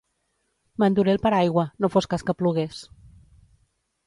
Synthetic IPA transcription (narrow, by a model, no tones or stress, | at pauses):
mənd̪uɾelˠpəɾajɣwənofoskaskəpluɣes